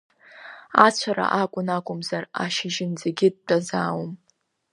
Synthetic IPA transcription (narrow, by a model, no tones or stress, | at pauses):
at͡ɕʷʰaɾa̰ʔakʷʼʊnakʷʼʊmzaraʃɪʒɪnd͡zaɡʲɪd̚dazaːwm